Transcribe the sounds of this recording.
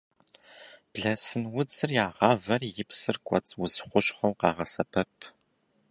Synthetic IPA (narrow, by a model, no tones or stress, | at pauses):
b̥ɮɐsɨnwʊd͡zɨrjaːʁɑːvɐrjɪpsɨrkʷʼɔ̰t͡sʼwʊzχʷʊɕχɐwqɑːʁɐsɐpʰɐpʰ